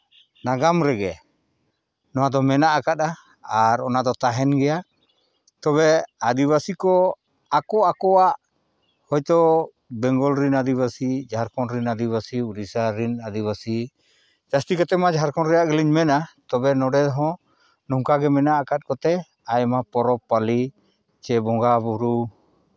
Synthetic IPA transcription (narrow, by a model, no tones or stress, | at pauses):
naɡamɾɛɡɛ̰ | nɔwad̪ɔmɛnaʔakat̪̚a | aɾɔnad̪ɔt̪aɦɛnɡɛja | t̪ɔβɛad̪iβasikɔ | akɔakɔwaʔ | hɔjt̪ɔ | bɛŋɡɔlɾinad̪iβasid͡ʒaɦaɾkɔnɾinad̪iβasiuɾisaɾinad̪iβasi | d͡ʒast̪ikɔt̪ɛmad͡ʒaɦaɾkɔnɾɛjaʔɡɛliɲmɛnat̪ɔbɛnɔɖɛd̪ɔɦɔ̃ | nɔŋkaɡɛmɛnaakat̪̚kɔt̪ɛ | ajmapɔɾɔpːali | t͡ʃɛbɔŋɡabuɾu